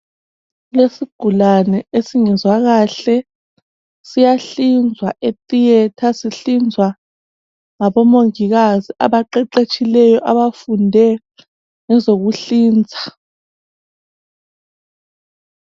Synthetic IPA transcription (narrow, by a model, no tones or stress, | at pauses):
lesiɡ̥ʱulanɛesiŋɛzwaɣaɬɛ | sijaɬind͡zʱwaetʼijɛtʰasiɬind͡zʱwa | ŋaβɔmoŋiɣaziʔa̰βaǃɛǃet͡ʃʰʼilɛjɔʔaβafundʱɛ | ŋɛzoɣuɬiːnd͡zʱḁ